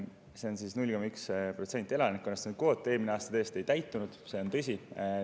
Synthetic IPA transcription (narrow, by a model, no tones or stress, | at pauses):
se̞o̞nsisnulʲkomɑykspro̞t̪se̞nʲt̪ʲːˑe̞lɑnikːunːɑst̪ɑnud̪̥̚ko̞ːt̪ːˑe̞ːlmineɑːst̪ɑt̪eːst̪e̞jt̪æjt̪ːˑunud̪̥se̞o̞nt̪ɤsʲi